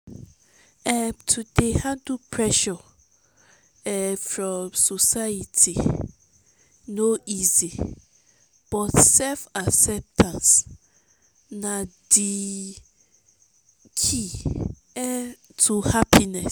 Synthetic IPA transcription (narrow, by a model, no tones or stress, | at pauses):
ɛtʰudehadupʰɹɛʃɔ | ɛfɹɔ̃msosaitʰi | noizi | b̥ɔtsɛlfaksɛp̚tʰãns | nãdi | kʰi | ɛtʰuhapʰinɛs